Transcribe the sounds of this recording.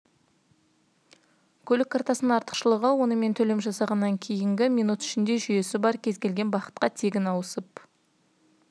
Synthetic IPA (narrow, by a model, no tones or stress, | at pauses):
kʲʰɵlɪkʰːɑɾt̪ɑsənəɴɑɾt̪əqʃəlˠəʁəwo̞nəme̞nt̪ʰɵle̞mʒɑsɑʁɑnːɑŋkʲʰe̞jɪŋɡʲɪmʲijnut̪ʏ̥ʃɪnd̪e̞ʒʏje̞sɪbɑɾkʲʰe̞zɡʲe̞lɡʲenbɑqə̥t̪̚qɑt̪ʰeɡʲɪnɑwəsəp̚